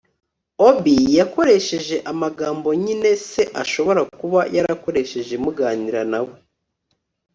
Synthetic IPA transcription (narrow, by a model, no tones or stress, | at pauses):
obijako̞ɾe̞ʃe̞ʒe̞ʔamaɡaːmbo̞ɲine̞se̞ʔaʃo̞βo̞ɾakuβajaɾako̞ɾe̞ʃe̞ʒe̞muɡaːniɾanawe